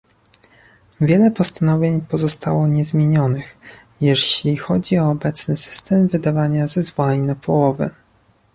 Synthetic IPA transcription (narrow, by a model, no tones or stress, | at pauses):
vʲjɛlɛpɔst̪anɔvʲjeɲpɔzɔst̪awɔɲɛzmʲjeɲɔnɘx | jɛɕlʲixɔd͡ʑiɔːbɛt̪snɘsɘ̥st̪ɛmvɘd̪avaɲazɛzvɔlɛɲnapʰɔwɔvɘ̰